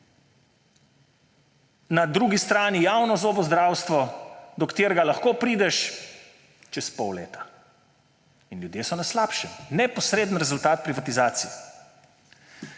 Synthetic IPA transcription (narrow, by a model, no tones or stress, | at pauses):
nad̪ɾuːɡist̪ɾaːnijawnɔzobɔzd̪ɾaːwst̪ʋɔd̪ɔkt̪eːɾɡalaxkoːpɾiːd̪ɛʃ | t͡ʃɛspɔwlḛːt̪ḁ | inljud̪jeːsɔnaslaːpʃɛnɛpɔsɾeːd̪ən̩ɾɛzult̪aːt̪̚pɾivat̪izaːt̪sijɛ